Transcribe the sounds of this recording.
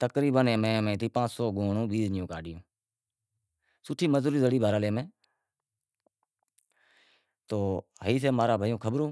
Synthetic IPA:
t̪əkɾiːbənẽːmẽːmẽːt̪ʰiːpãːt͡ʃsoːɡoːɳõːɓiːznɪjõːkaːɖɪjõː | sʊʈʰːiːməzuːɾiːzəɽiːbʱaːɾaːleːmẽː | t̪oːɦəiːs̬eːmaːɾaːbʱaːjõːkʰəbɾõː

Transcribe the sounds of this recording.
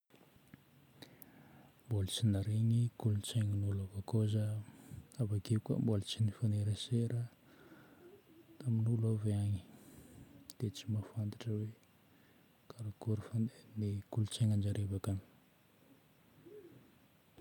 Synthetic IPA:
mbolt͡sinaɾeŋikulut͡seŋənulavakozə | avakeuka̰mbolat͡sinifaneɾeseɾə | t̪aminulaveaɲi̥ | d̪̥et͡simafant̪ḁʈ͡ʂəwe | kʰaɾakoɾifanenikulut͡seŋand͡ʒaɾevaka

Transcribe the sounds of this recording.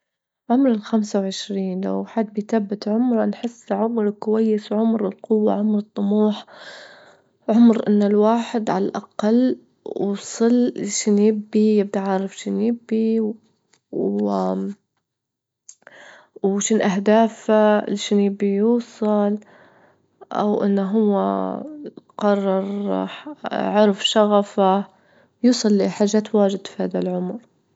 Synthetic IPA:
ʕʊmɾɪlxamsawʕɪʃɾiːnla̰wħad̪̚bɪjt̪abːɪt̪ʕʊmɾˤnħɪsːʕʊmɾˤkʊwajːɪswʕʊmɾɪlqʊwːa̰ʕʊmɾɨt̪ˤːʊmuːħ | ʕʊmɾʔɪnːɪlwaːħɪd̪ʕalalʔa̰qɑlː | sˤɨlːʃanjɪbːijɪb̚d̪aʕaːɾˤɑfʃɪnjɪbːi | wʃiːnʔaɦd̪aːfalʃaːnjɪbːijuːsˤɑl | ʔa̰wʔɪ̰nːaɦʊwːa̰ | qɑrˤːɑɾˤ | ʕʊɾfʃaɣafa | juːsˤɨlːiħaːʒːaːt̪waːd͡ʒɪd̪fihaːðalʕʊmɾ

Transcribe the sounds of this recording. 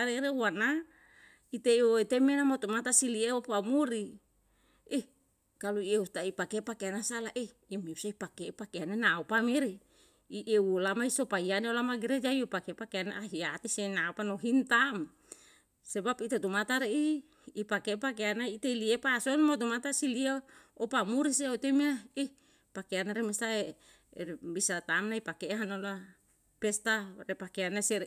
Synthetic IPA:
aɾeɾeuana | it̪eioit̪emenamot̪umat̪asilieopamuɾi | e | kaluieut̪aipakepakeanasalaʔeː | meusaipakeʔpakeanenaopameɾe | iʔewolamaisopaianeolamaɡiɾed͡ʒaiopakepakeaneʔaɦiat̪isenaopanoɦint̪am | sebapit̪at̪umat̪aɾeʔiː | pakepak̬eanait̪eliepasonmot̪̬omat̪asiliaopamuɾiseot̪omiai | pakeanaɾemestae | ɾbisat̪amnaipakeʔɦanola | pest̪aɾepakeanaseɾ

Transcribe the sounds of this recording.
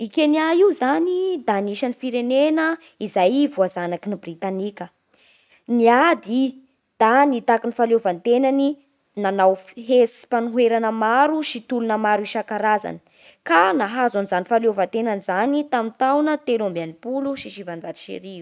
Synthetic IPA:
ikʲeniaiwzanid̪aniʃanifiɾenenə | izajvuazanakinibrit̪anikʲə | niad̪i | d̪̥anit̪akinifalovant̪enani | nanawfɦesi̥panuɦweɾanəmaɾuʃit̪ulunəmaɾuiʃakaɾaza̰ni̥ | kanaɦazanizanifaleovant̪enanizanit̪amint̪awnət̪elambeanipuluʃiʃivand͡zaɾiʃḛɾiu

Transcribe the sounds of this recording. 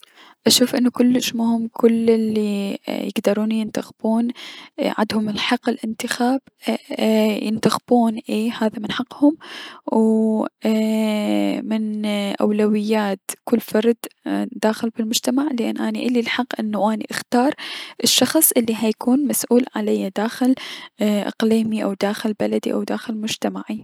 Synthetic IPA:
ʔaʃuːfʔɪnːukʊlːɪʃmʊhɪmːkʰʊlɪlːijɪ̰ɡd̪ɑɾˤuːnjɪnt̪axb̥uːnʕa̰d̪hʊmɪlħɑqːɪlʔɪnt̪ɪxaːb̥ | jɪ̰nt̪axb̥uːnʔeːhaːðamɪnħɑqːhʊmw | mɪnʔa̰wlawɪjːaːt̪kʊlːfɑɾˤd̪d̪aːxɪlbɪlmʊd͡ʒt̪amaʕlʔa̰nːʔaːniʔɪlːilħɑqːʔɪnːaʔaːniʔɪxt̪ɑːɾˤʔɪʃːɑxsˤʔɪlːiɦaːjkʰuːnmasʔuːlʕalajːad̪aːxɪlʔɪ̰qliːmiʔawd̪aːxɪlbalad̪ḭʔa̰wd̪aːxɪlmʊd͡ʒt̪amaʕi

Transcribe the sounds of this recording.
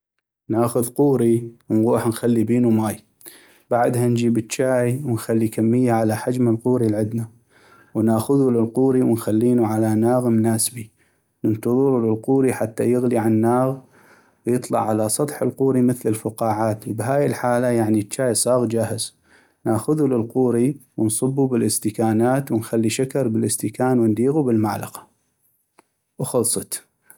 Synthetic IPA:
naːxʊðquːɾiwnɣuːħnxalːibiːnumaːj | b̥aʕd̪hand͡ʒiːbətt͡ʃːaːʕwnxalːikamːɪjːaʕalaħad͡ʒmalquːɾilʕɪd̪na | wnaːxʊðulɪlquːɾiwənxalːiːnuʕalanaːɣmnaːsbi | nənt̪ɨðˤɨɾulɪlquːɾiħat̪ːajɪɣliʕannːaːɣ | wjɨt̪ˤlɑ̰ʕʕalasˤɑt̪ˤħɪlquːɾiməθlɪlfʊqɑːʕaːt̪wbɦaːjɪlħaːlajaʕnit͡ʃːaːjsˤɑːɣd͡ʒaːhɪz̥ | naːxʊðulɪlquːɾiwənsˤɨbːubɪlʔɪst̪ɪkaːnaːt̪wənxalːiʃakɑɾˤbɪlʔɪst̪ɪkaːnwənd̪iːɣubɪlmaʕlɑ̰qḁ | wxɑlsˤɑt̪

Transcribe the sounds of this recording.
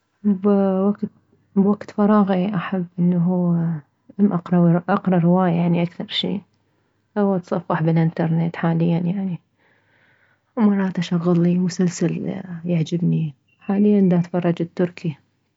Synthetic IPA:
bwaɡt̪ | bwaɡt̪fɑɾˤɑːɣiʔaħabːʔɪnːaɦuː | ʔamʔɑqɾˤɑwʔɑqɾˤɑɾɪwaːjjaʕniʔakθɑɾˤʃḭː | awat̪sˤɑfːɑħbɪlʔɪnt̪ɑɾˤnet̪ħaːlɪjːanjaʕni | mɑrˤːɑːt̪ʔaʃaɣːɪlːimʊsalsaljaʕd͡ʒɪbni | ħaːlɪjːand̪at̪fɑrˤːɑd͡ʒɪt̪ːʊɾkʰi

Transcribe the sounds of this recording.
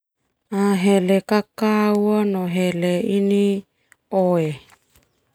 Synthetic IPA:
aɦelekakawanoɦeleini | oe

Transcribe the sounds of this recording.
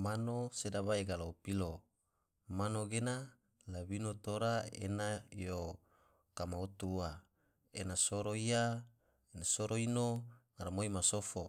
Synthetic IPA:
manosedaβaeɡalaupilo | manoɡena | lawinot̪oɾaḛnajo | kamaut̪ua | enasoɾoia | enasoɾoinoŋaɾamoimasofo

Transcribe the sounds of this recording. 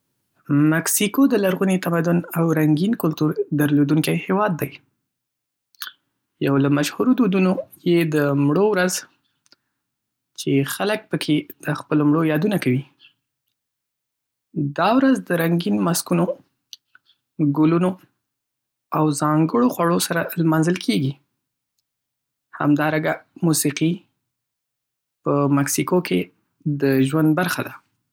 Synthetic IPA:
maksikod̪əlaɾɣunit̪amad̪ʊnawɾaŋɡinkʊlt̪uɾd̪əɾlod̪uŋkajhewɑd̪ːaj | jawlamaʃhuɾod̪ud̪unojed̪əmɽowɾaz | t͡ʃexalək̚pəkʰed̪̥əxpəlomɽojɑd̪unakawi | d̪ɑwɾazd̪əɾaŋɡinmaskuno | ɡʊluno | awzɑŋɡəɽoxwaɽosaɾalmɑnzəlkʰeɡi | ha̰md̪ɑɾaɡamusiqi | pəmaksikoke | d̪əʒwand̪̚baɾxad̪a

